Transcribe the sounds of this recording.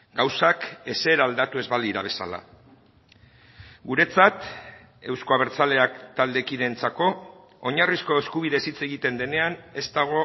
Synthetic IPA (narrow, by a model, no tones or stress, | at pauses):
ɡawsake̞se̞ːɾaːld̪at̪ue̞zβaliɾaβ̞e̞sa̰la̰ | ɡuɾe̞t͡sat̪ | e̞wsko̞aβ̞e̞ɾt͡sale̞akt̪ald̪e̞kiðe̞nt͡sako̞ | oɲarisko̞e̞skuβ̞iðe̞sit͡se̞ɣit̪e̞nd̪e̞ne̞ane̞st̪aɣ̞o̞